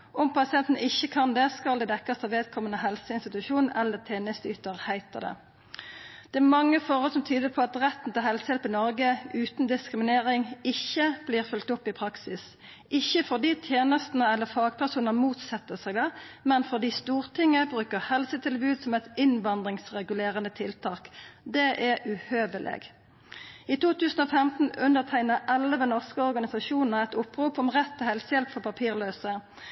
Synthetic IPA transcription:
ʔɔmpɑsɪɛnt̪n̩ʔɪçːəkʰɑnd̪ɛskɑld̪ɛd̪ɛkːɑst̪ɑʋeːd̪kʰɔmənəhɛlsəɪnst̪ɪt̪ʉʃuːnn̩ɛlːət̪ʰeːnəst̪yːt̪əʁhæɪt̪əd̪ɛ̰ | d̪̥ɛæmɑŋːəfɔʁhɔlsɔmt̪ʰyːd̪əpʰɔɑt̪ʁɛt̪ːn̩t̪ɪlɦɛlsəhɛlpɪnɔɾɡəʉːt̪n̩d̪ɪskɾɪmɪneːʁɪŋɪçːəb̥liːʁfʏlt̪ʊpːɪpʰɾɑksɪs | ʔɪçːəfɔʁd̪iːt̪ʰjeːnəst̪nəɛlːəfɑːɡ̥pʰæʁsuːnəmuːt̪sɛt̪ːəsæɪɡd̪ɑːmɛnfɔʁd̪iːst̪uːʁt̪ʰɪŋːəbʁʉːkəʁhɛlsət̪ʰɪlbʉːt̪sɔmɛt̪ɪnʋɑnd̪ʁɪŋsʁɛɡʉleːʁənət̪ʰɪlt̪ʰɑːkd̪ɛʔɛʉhøːʋəlʔḛːɡ | iːt̪uːt̪ʉːsn̩oːfɛmt̪n̩ʉnd̪əʁt̪ʰæɪnəʔɛlːəʋənɔʁskəɔʁɡɑnɪsɑʃuːnnəʁɛt̪ʊpːʁuːpɔmʁɛt̪ʰːɛhɛlsəjɛlpfɔʁpʰɑpʰiːʁløːsə

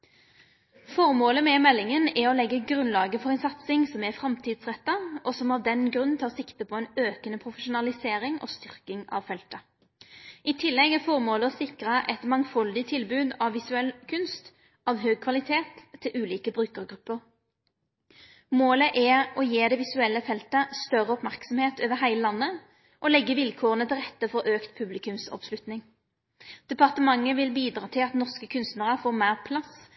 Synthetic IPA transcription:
fɔʁmoːləmɛmɛlːɪŋənɛɾɔlɛɡːəɡʁʉnlɑːɡəfɔʁɛnsɑt̪sɪŋsɔmɛfɾɑmt̪ʰiːd̪sʁɛt̪ːɑɔsɔmɑʋd̪ɛnɡɾʉnnʰɑːʁsɪkt̪əpʰɔɛnøːkənəpʰʁʊfəʃʊnɑlɪseːɾɪŋɔ̰ːst̪ʏʁkɪŋɑ̰ʋfɛlt̪ə | it̪ʰɪlːɛɡɛfɔʁmoːləɔsɪkʁəʔɛt̪mɑŋfɔld̪ɪt̪ʰɪlbʉːd̪ɑʋːɪsʉɛlkʰʉnst̪ | ʔɑʋɦøːɡ̚kʰʋɑlɪt̪ʰeːt̪ʰːɪlʔʉːliːkəbʁʉːkəʁɡʁʉpːəʁ | moːləʔɛɔjeːd̪ɛʋɪsʉɛlːəfɛlt̪əst̪œʁəɔpmæʁksɔmheːt̪øːʋəɦæɪləlɑnːə | ʔɔlɛɡːəʋɪlkʰoːʁənət̪ʰɪlʁɛt̪ːəfɔʁʔøːkt̪pʰʉblɪkʉmsɔ̰pslʉt̪nɪŋ | d̪̥ɛpɑʁt̪əmɑŋːəʋɪlbiːd̪ʁɑːt̪ʰɪlɑt̪nɔʁskəkʰʉnst̪nəʁəfoːʁmæːʁpʰlɑs

